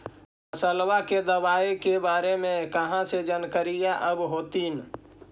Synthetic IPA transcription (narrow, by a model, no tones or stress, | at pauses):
əsəlʋaked̪əbaːekebaːɾemẽkəɦãsed͡ʒənkəɾijaʔəbɦoːt̪in